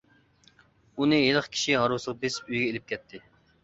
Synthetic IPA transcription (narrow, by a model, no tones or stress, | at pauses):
unɨɦelˠəχkʲʰi̥ʃiɦɑɾuwsəʁɑpesyjɡʲɛelɪp̚kʲʰɛt̪ʰːɪ